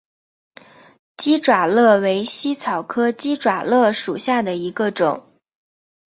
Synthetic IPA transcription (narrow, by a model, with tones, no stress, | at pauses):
t͡ɕi˥ʈ͡ʂwa˨˩lɤ˥˩we˧˥ɪɕi˥t͡sʰɑ˨˩ʊkʰɤ˥t͡ɕi˥ʈ͡ʂwa˨˩lɤ˥˩ʂu˨˩ɕja˥˩d̪ə˩i˧˥ɡə˧ʈ͡ʂʊ̰˨˩˦ŋ